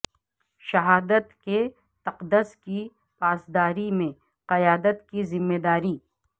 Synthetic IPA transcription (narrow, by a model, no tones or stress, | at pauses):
ʃɐɦaːd̪ət̪ke | t̪ɐqd̪əski | paːsd̪aːɾimẽ | qɐjaːd̪ət̪kizɪmːeːd̪aːɾiː